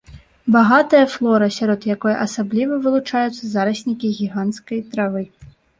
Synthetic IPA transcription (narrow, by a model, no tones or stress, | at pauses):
baɣat̪ɨjɐflˠɔɾɨsʲaɾɔd̪jakɔjɐ̰ʔɐsablʲivɐvɨlˠut͡ʂajut̪sːɐzaɾɐsʲnʲikʲiɣʲiɣant̪skɐjt̪ɾavɨ